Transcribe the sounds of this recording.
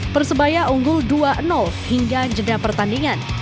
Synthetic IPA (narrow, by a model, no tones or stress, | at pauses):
pərsəbajaʔuŋɡʊlduaʔənɔlhiŋɡad͡ʒədapərt̪andiŋan